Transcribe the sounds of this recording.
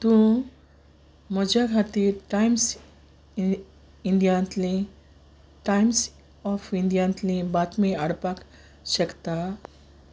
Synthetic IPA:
t̪ũ | mɔd͡ʑakʰat̪iɾʈajms | inɖjãnt̪li | ʈajms | ɔfinɖjãnt̪lĩbat̪mẽəɽpak | ɕəkt̪a

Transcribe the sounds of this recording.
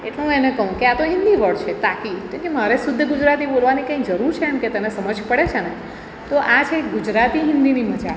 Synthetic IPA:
eʈleɦũenekəɦũkeat̪oɦɪ̃nd̪iʋəɭt͡ʃʰet̪akikẽkemaɾesud̪ʱːəɡud͡ʒɾat̪ibolʋanikãĩkd͡ʒəɾuɾt͡ʃʰeəɳket̪ənesəməd͡ʒpəɽet͡ʃʰene | t̪oʔat͡ʃʰeːkɡud͡ʒɾat̪iɦɪ̃nd̪iniməd͡ʒa

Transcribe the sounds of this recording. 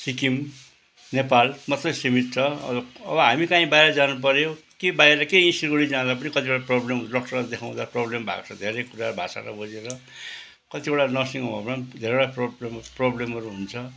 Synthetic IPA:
sikim | nepalmʌt̪rʌjsimit̪̚t͡sʰʌʌ̰ʌʌ̰bʌɦamikãĩbajɾʌd͡zanup̬ʌɾjokebajɾʌkeĩsiɾɡoɽid͡zãd̪ap̬ʌnikʌt̪ibeɽaproblemlʌkʈʌrad̪ekʰaw̃d̪aproblembʱa̰kt͡sʰʌd̪ʱeɾʌjkuɾaɾubʱa̰sa̰ɾa̰bʱod͡zeɾʌ | kʌt̪ibʌɽanʌsiŋobʌpand̪ʱeɾeɽaproblemproblemʌɾuɦunt͡sʰʌ

